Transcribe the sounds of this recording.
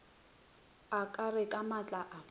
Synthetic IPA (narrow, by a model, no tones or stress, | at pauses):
akʼarɪkʼamat͡ɬʼaʔa